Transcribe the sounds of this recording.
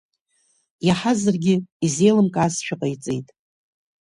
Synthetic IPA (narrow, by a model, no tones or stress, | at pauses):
jaħazɨrɡʲɪizejlɨmkʼaːsʃᶣʰaqʼajt͡sʼḛjtʼ